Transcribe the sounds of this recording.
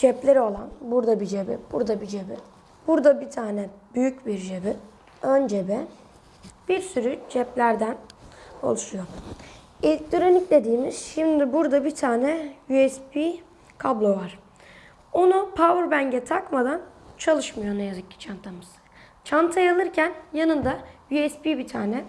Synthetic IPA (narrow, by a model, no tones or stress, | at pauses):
d͡ʒɛplʲe̞ɾio̞lˠanbuɾd̪abid͡ʒebɛ̰b̥uɾd̪abid͡ʒebɛ | b̥uɾd̪abit̪ʰaːnɛbyjycbiɾd͡ʒebɛ | ønd͡ʒebɛ | b̥iɾsyɾyd͡ʒɛplʲæɾd̪æno̰lˠuʃujo̞ | elʲct̪ʰyɾo̞nicd̪ʲe̞d̪iːmiz̥ʃimd̪ibuɾd̪abit̪ʰaːnɛjyɛspʰi | kʰablˠo̞vaɾ̥ | o̞nupʰauɾbæɲɟɛt̪ʰakmad̪ant͡ʃʰalˠɯʃmɯjonajazɯccʰːi̥t͡ʃʰant̪ʰamɯz̥ | t͡ʃʰant̪ʰajalˠɯɾcʰænjanɯnd̪ajyɛspibit̪ʰaːnɛ